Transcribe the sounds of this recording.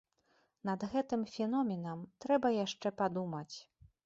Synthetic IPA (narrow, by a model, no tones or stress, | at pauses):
nɐd̪ɣɛt̪ɨmfʲɛnɔmʲɛnɐmt̪ɾɛbɐjaʂt͡ʂɛpad̪umɐt͡sʲ